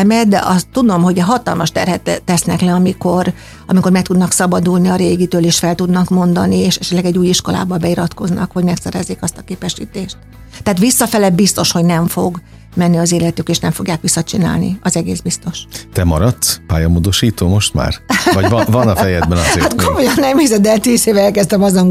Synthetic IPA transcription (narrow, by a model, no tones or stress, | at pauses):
mɛt̪d̪ɛ̰ʔɒst̪ːud̪o̞mɦoɟɛɦɒt̪ɒ̰lmɒʃt̪ɛrhɛt̪ːɛsnɛklɛɒmiko̞r | ɒmiko̞rmɛk̚t̪ud̪nɒksɒbɒd̪ulniɒɾeːɡit̪øːleːʃfɛlt̪ud̪nɒkmo̞nd̪ɒnieːʃɛʃɛt̪lɛɡɛɟːuːjiʃko̞la̰ːbɒbɛiɾɒt̪ko̞znɒ̰kho̞ɟmɛksɛɾɛzːeːkɒst̪ɒ̥keːpɛʃḭːt̪eːʃt̪ː | ɛaːt̪ʋisːɒfɛlɛbist̪o̞ʃho̞ɟnɛɱfoɡ | mɛnːiɒzeːlɛt̪ykeːʃnɛɱfo̞ɡjaːkʋisːɒt͡ʃina̰ːlnḭɒzɛɡeːzbist̪o̞ʃt̪ɛmɒ̰ɾɒt̪ːpaːjɒmoːd̪o̞ʃiːt̪oːmo̞ʃt̪ma̰ːrvɒɟvɒnɒfɛjɛd̪bɛnhat̪komojɒnːɛmiːzɛd̪ɛt̪iːzeːvɛɛlkɛst̪ɛmɒzoŋ